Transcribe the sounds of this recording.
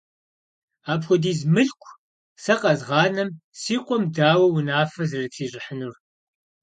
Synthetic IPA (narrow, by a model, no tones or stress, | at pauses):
aːpxʷɔdiːzmɨɬkʷʼʰ | sɐqʼɐzʁɑːnɐmsiːqʷʼɔmdaːwɐwʊnaːfɐzɨrɨɬʰiːɕʼɪħənur